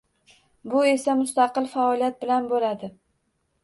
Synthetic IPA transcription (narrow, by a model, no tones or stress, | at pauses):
bʊe̞samʊst̪ɑqɨlˠfaɒlijat̪̚bɪlanbolad̪ɪ